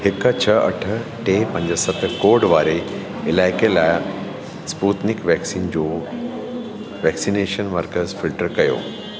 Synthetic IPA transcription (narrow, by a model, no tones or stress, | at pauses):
hɪkət͡ɕʰəɐ̰ʈʰəʈepɐ̃ɲd͡ʑəsət̪koːɾɖʋaːɾe | ɪlaːjkelaj | spuːt̪nikʋɛksiːnd͡ʑoː | ʋɛksineːʃənʋəɾkəɾsfilʈəɾkɐjo̰ː